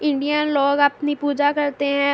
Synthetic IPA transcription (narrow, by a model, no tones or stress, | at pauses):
ɪ̃ɳɖijənloːɡəpnipuːd͡ʒakɐɾt̪eɦɛ̃ː